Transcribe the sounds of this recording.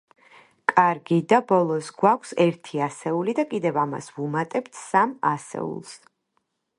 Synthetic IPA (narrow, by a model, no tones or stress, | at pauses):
kʼaɾɡid̪abɔlˠɔsɡwakʷʰsɛɾt̪ʰiasɛulid̪akʼid̪ɛvama̰svumat̪ʼɛpt̪ʰsama̰sɛ̰ṵlˠs